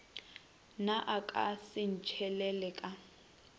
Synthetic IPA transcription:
naʔakʼa̰sɪn̩t͡ʃʰɛlɛlɛkʼa

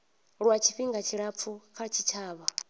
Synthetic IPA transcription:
ɺwat͡ʃʰiɸiŋɡat͡ʃʰiɺap̪fʰukʰat͡ʃʰit͡ʃʰaːβa

